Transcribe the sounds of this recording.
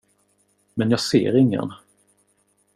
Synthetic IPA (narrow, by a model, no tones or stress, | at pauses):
mɛnjɑːɡsḛːɾɪŋːə̰n